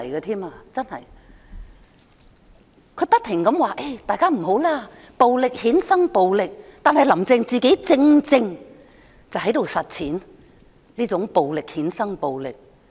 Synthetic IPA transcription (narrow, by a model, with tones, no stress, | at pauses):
jɡɐː˧t̪ʰiː˥maː˧t͡sɐ˥nhɐ̰˨˩j | kʰɵ˨˧˥pɐ˥t̚t̪ʰːɪ˨˩ŋkɐ˨˥mwaː˨˩ʔe˥jt̪aː˨jkaː˥m̩˨˩ɦo˨˥wlaː˥ | po˨wlɪ˨k̚hiː˨˥nsɐ˥ŋpo˨wlɪ˨k̚t̪aː˨nhɐ˨jlɐ˨˩mt͡sɪ˧ŋt͡siː˨ke˨˥t͡sɪ˧ŋt͡sɪ˧ŋ | t͡sɐ˨wɦɐ˨˥jt̪o˨wsɐ˨t̚t͡sʰiː˨˥n | liː˥t͡sʊ˨˥ŋpo˨wlɪ˨k̚hiː˨˥nsɐ˥ŋpo˨˧wlɪ̰˨k̚